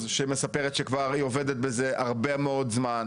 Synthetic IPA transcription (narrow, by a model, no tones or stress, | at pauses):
zʃemesapeʁet̪ʃekvaʁioved̪et̪̚bezeʔaʁbemeo̞d̪zman